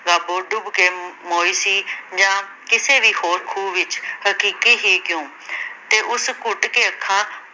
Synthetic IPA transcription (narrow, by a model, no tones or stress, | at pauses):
ɡaːboːɖʊbkeːmoːiːsiːd͡ʒãː | kɪseːʋiːhoːɾkʰuːʋɪt͡ʃhəkiːkiːɦiːkjõː | t̪eːʔʊskʊʈkeːəkʰːãː